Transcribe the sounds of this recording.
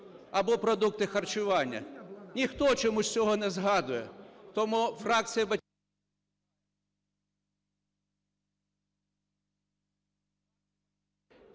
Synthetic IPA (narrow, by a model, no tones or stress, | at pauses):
ɐbɔpɾɔd̪uk̚t̪ɪxɐrt͡ʃʊʋɑnʲːɐ̰nʲixt̪ɔt͡ʃɔmusʲt͡sʲɔɦɔnɛzɦɑd̪ʊjɛt̪ɔmufrɑk̚t͡sʲijɐbɐ